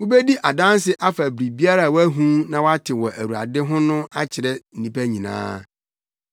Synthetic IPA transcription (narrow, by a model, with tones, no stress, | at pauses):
wʊ˦be˦di˦ʔa˨dã˦n˦sɪ˦ʔa˦fæ˨bɾi˨bi˦a˦ɾa˨wæ˦ɦũ˦nã˨wa˦tʰɪ˨wɔ˨ʔæ˨wu˨a̰˨dɪ˦ɦʊ̃˦nʊ̃˦a˦t͡ɕʰɪ˨ɾɛ˦n̩˨ĩ˦pæ˦ɲĩ˨nã̰ː˦